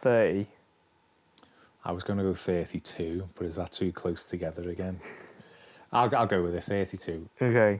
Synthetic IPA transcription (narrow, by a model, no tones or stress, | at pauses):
θɜːˑti | aɪwɒzɡʌnəɡoʊθɜˑtʰitʰuːb̥ʌɾɪzðətʰʉːkʰl̥oʊstʰəɡɛðəɹəɡɛ̃n | aɪlˠaɪlˠɡoʊwɪðəθɜˑtitʰʉːoʊkʰeɪ